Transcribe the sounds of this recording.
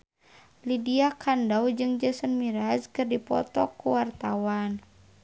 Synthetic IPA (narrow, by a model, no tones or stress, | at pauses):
lidiakʰandawd͡ʒɨŋd͡ʒəsənmiɾazkɨrdipɔ̰t̪ɔkuwart̪awan